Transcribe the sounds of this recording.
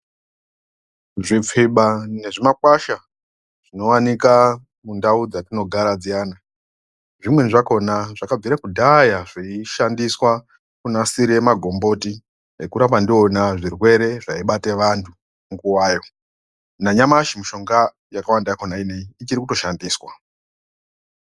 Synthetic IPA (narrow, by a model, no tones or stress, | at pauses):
ʐip͡fiɓane̞ʐimakwaʃa | ʐ̥ino̞wanika | mundaud͡zatino̞ɡʱaɾad͡zijaːna | ʐimwe̞nʐako̞naʐakab͡viɾakudʱajaʐiiʃandiswa | kunasiɾemaɡʱo̞mbo̞ti | ekuɾapandionaʐirwe̞ɾe̞ʐaiɓate̞ʋantʰu | mɡuwaːjo̞ | naɲamaʃimuʃo̞ŋɡa | jakawandaakonaine̞iit͡ʃiɾikuto̞ʃandiːswa